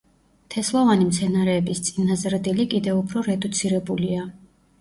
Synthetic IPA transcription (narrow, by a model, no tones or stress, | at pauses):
t̪ʰɛslˠavanimt̪sʰɛnaɾɛːbist̪sʼinazɾd̪ilikʼid̪ɛupʰɾɔɾɛd̪ut̪sʰiɾɛbulia